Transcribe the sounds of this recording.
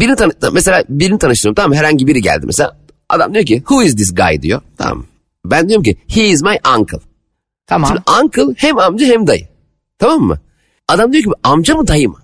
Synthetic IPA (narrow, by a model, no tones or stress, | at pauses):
biɾinit̪ʰanames̬elʲaːbiɾinit̪ʰanɯʃt̪ɯmt̪ʰamamːɦɛɾhaɲɟibiɾiɟæ̰lʲd̪imeselʲa̰ː | ʔa̰d̪a̰md̪ijocʰihuɪzd̪is̬ɡa̰jd̪ḭjo̰t̪ʰa̰ma̰m | bɛnd̪ijoɾumcihiːzmajʔaŋkʰɯlˠ | t͡ʃʰimaŋkʰɯlˠhɛmamd͡ʒaɦɛmd̪ajɯ̰ | t̪ʰamamːɯ̰ | ad̪amd̪ijoɟibiamd͡ʒamɯd̪ajɯm